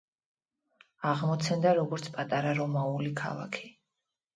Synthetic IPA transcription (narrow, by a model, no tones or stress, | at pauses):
aʁmɔt̪sʰɛnd̪aɾɔɡɔɾt̪sʰpʼat̪ʼaɾaɾɔmaulikʰa̰lˠa̰kʰi̥